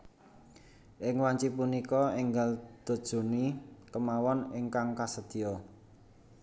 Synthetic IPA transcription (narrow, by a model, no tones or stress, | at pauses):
ʔɪŋwaɲt͡ʃipunikɔeŋɡald̪̥o̤d̥ʒ̥o̤nikəmawɔnɪŋkaŋkasəd̪̥i̤ɔ